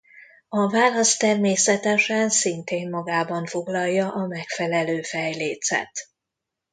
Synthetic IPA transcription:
ɒvaːlɒst̪ːɛrmeːsɛt̪ɛʃɛnsint̪eːmːɒɡaːbɒɱfoɡlɒjːɒʔɒmɛkfɛlɛløːfɛjleːt̪sɛ̰t̪

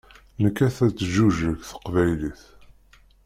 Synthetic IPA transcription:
nəkːæθæt͡sːʒuʒəçθə̥qvæjliθ

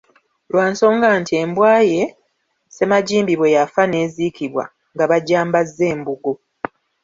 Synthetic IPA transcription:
lwaːnso̞ːŋɡaːntʰie̞mbwaːje̞ | se̞maɟiːmbiβwe̞jafane̞ːzikiβwa̰ | ŋɡaβaɟaːmbazːe̞ːmbuɡo̞

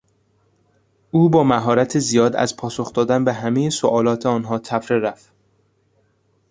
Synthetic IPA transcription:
ʔuːbɒːmæɦɒːɾæt̪ʰezijɒːd̪æ̰zpʰɒːsoxd̪ɒːd̪ænbeɦæmejesoʔɒːlɒːt̪ʰeɒːnɦɒːt̪ʰæfɾeɾæf

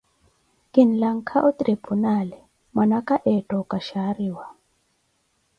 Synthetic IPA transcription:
kin̩laŋ̩kʰaʔɔt̪ɾepʰunalɛ | mwanakaʔɛtʼɔkaʃaɾiwa

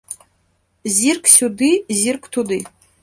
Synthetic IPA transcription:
zʲirkʰʼsʲud̪ɨzirkʷʰʼt̪ʰud̪ɨ

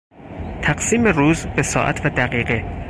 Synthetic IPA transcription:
t̪ʰæɡsiːmeruːzbesɒ̰ːʔæ̰t̪ʰvæd̪æɣiːɢe

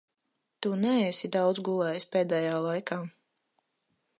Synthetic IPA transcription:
t̪unɛɛːsid̪awd̪zɡulˠɛːjspɛːd̪ɛːjaːlˠajkaː

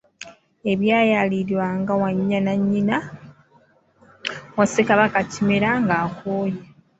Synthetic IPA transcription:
e̞βjaːjaliɾiwaŋɡawaɲːanaɲːina | wasekaβakacimeɾaŋɡaːkoːje

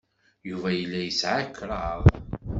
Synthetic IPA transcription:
juvæjəlːæjəsʕakːɾɑʁ

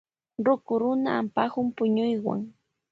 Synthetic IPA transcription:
ɾʊkʊɾʊnaːmpaxʊmpʊɲʊjwa̰ŋ

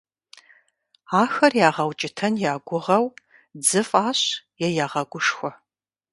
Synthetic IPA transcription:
aːxɐrjaːʁɐwt͡ʃʼɪtʰɐnjaːɡʷʊʁɐw | d͡zɨfʼaːɕjɛjaːʁɐɡʷʊʂxʷɔ

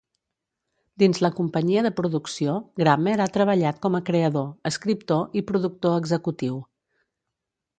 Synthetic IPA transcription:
d̪inzləkumpəɲiəðəpɾuðuksioɡɾameɾat̪ɾəβəʎat̪̚kɔməkɾeəðoəskɾip̚t̪oʔipɾuðuk̚t̪oəɡzəkut̪iw

